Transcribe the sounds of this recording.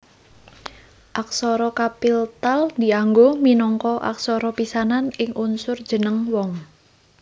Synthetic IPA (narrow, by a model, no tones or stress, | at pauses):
ʔaksɔɾɔkapilt̪ald̪iaŋɡominɔŋkɔʔa̰ksɔɾɔpisananɪŋʔunsʊr̥d͡ʒ̥ənəŋwɔŋ